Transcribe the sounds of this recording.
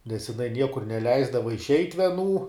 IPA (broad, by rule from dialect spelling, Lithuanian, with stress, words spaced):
nʲɛs jɪˈnɐɪ ˈnʲiɛkʊr nʲɛˈlʲɛɪzdɐʋɐ ɪʃʲˈɛɪtʲ ʋʲiɛˈnuː